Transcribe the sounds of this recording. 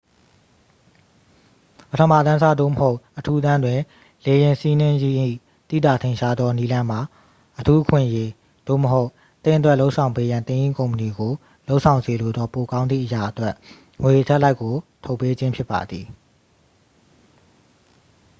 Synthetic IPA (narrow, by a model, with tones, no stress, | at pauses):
pətʰə˨ma̰˦˨t̪ã˦sa˦˨d̪o̰˦˨məho˦ʊʔʔətʰu˦t̪ã˦ndwɪ̃˨ | le˨jɪ̃˨nsi˦nɪ̃˦ji˦ʔḭ˦˨ | t̪ḭ˦˨d̪a˨tʰẽ˨ɪ̃ʃa˦d̪ðɔ˦ni˦lã˦m̥a˨ | ʔətʰu˦ʔə˦kʰwɪ̰̃˦˨ʔəje˦ | d̥o̰˦˨məɦo˦ʊʔ | t̪ɪ̃˦˨ʔə˨twɛ˦ʔlo˦ʔsʰã˨ʊ̃mpe˦jã˨nt̪ɪ̃˦ʔĩ˦˨kõ˨ʊ̃mpə˨ni˨ɡo˨ | lo˦ʊʔsʰã˨ʊ̃nze˨lo˨d̪ɔ˦po˨kã˦nd̪ðḭ˦˨ʔəja˨ʔətwɛ˦ʔ | ŋwe˨ʔətʰɛ˦ʔla˦ɪkːo˨tʰo˦ʊpːe˦d͡ʑɪ̃˦mpʰjɪ˦pːa̰˨d̪ði˨